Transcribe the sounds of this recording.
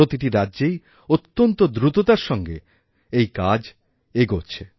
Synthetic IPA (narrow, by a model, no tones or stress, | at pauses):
ot̪iʈiɾadːd͡ʑej | ot̪ːont̪od̪ɾut̪ot̪aɾʃɔŋɡe | ejkad͡ʑ | eɡoɾt͡ɕʰe